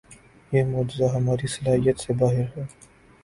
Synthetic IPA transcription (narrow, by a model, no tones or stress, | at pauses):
jeːmoːd͡ʒɪzaɦɐmaːɾisɐlaːɦijət̪sebaːɦɪɾɦɛː